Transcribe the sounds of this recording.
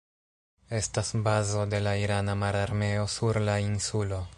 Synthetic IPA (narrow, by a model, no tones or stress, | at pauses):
e̞stasbazo̞de̞laiɾanamaɾaɾme̞o̞suɾlainsulo̞